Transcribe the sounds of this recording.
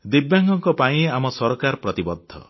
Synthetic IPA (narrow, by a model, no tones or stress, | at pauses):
d̪ibjaŋɡɔŋkɔpaĩamɔsɔɾɔkaɾɔpɾɔt̪ibɔd̪ʱːɔ̰